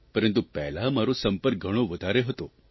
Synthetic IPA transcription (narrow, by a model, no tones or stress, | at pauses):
pəɾə̃nt̪upɛɦlamaɾosəmpəɾk̚ɡʱəɽ̃õʋəd̪ʱaɾeɦət̪o